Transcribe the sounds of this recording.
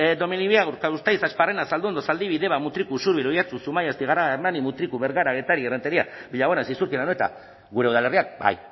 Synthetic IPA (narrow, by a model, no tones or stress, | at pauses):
d̪o̞miniβiaɣuɾkaust̪ajsasparenasald̪uend̪osald̪iβiðe̞βamut̪ɾikusuɾβiɾojat͡susumajast̪iɣaraɣaermanimut̪ɾikuβe̞ɾɣaɾaɣe̞t̪aɾieret̪eɾiabiʎaɣonasisuɾkilanoet̪a̰ | ɡuɾe̞uðale̞riak̚ba̰j